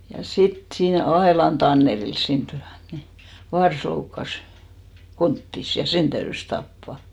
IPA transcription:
jɑ sit siːn ɑelɑn tɑnːerils siːnt tyæn ni ʋɑrs loukːɑs kontːis jɑ sen tæyrys tɑpːɑˑ

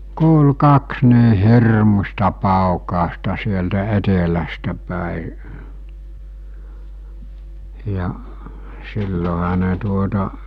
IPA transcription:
kuːlu kɑks niː hirmustɑ pɑˑukɑˑostɑ sieltæ etelæstæ pæˑi jɑ silːoɦɑ ne tuotɑ

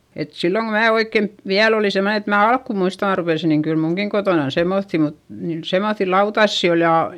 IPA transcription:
et silːoŋ ko mæː oikːent ʋiæl oliˑ semne et mæː ɑlkːu muistɑ ɑrʋelisi niŋ kyl muŋkiŋ kotoˑnɑn semːoθːi mut niːn semoθːi lɑutɑsːi ol jɑ

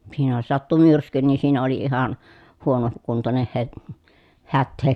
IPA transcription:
siːnæ jos sɑtːu myrsky niː siːnæ oli ihɑn huono kuntoneh he hætːeː

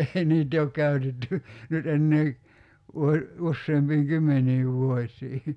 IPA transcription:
ei niːt ei ok kæy̞tetːy nyt enːeː ʋuo usːeːmpiːŋ kymːenˑiːʋ ʋuosʲˑiː

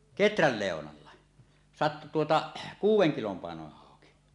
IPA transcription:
ketræl leˑonɑlːɑ sɑtːu tuotɑ kuːwˑeŋ kilom pɑenoneh hɑˑoki

